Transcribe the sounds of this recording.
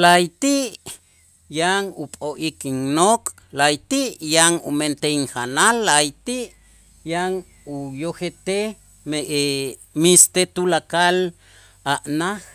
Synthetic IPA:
lajt̪iʔ | jaŋupʼoʔikiŋnokʼ | lajt̪iʔjaŋṵment̪eiŋxanalːajt̪iʔ | jaŋ | ujoxet̪e | meʔe | mist̪et̪ulakal | aʔnax

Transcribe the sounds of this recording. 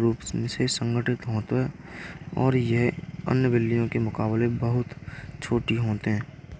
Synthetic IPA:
ɾuːpsmẽsesə̃ŋɡʱəʈɪt̪ɦoːt̪aɦɛ | ɔːɾjəɦə̰njəbɪlːijõkemʊkaːblebəɦʊt̪t͡ʃʰoːʈiɦoːt̪eɦɛ̃ː

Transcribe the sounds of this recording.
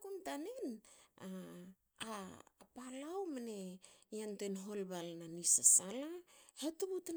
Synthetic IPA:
kumtanena | apalawmane̞jantoenɦo̞lbalnanisasalahetuβutn

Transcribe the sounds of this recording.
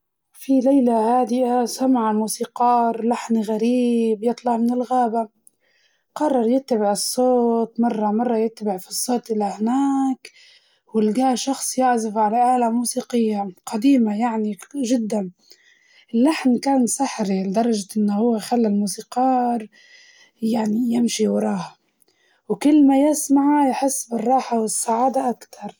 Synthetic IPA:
filajlahaːd̪ɪʔasamaʕalmuːsiːqɑːɾlaħnɣaɾiːbjɨt̪ˤlɑʕmɪnɪlɣaːba | qɑrˤːɑɾˤjɪt̪ːabɪʕɨsˤːoːt̪mɑrˤːɑmɑrˤːɑjɪt̪ːbɪʕfisˤːoːt̪ˤʔɪlahnaːk | wɪlɡaːʃɑxsˤjaʕzɪfʕalaʔaːlamuːsiːqɪjːaqʰɑd̪iːmajaʕniʒɪd̪ːan | ʔɪlːaħnkaːnsˤaħɾild̪ɑɾˤɑʒʔɪnːahʊwːexalːɪlmuːsiːqɑːɾ | jaʕnijɪmʃiwɾˤɑːha | wkɪlːmajɪsmaʕajħɪsːbɪrˤːɑːħawɪsːaʕaːd̪aʔakt̪ʰɑɾˤ

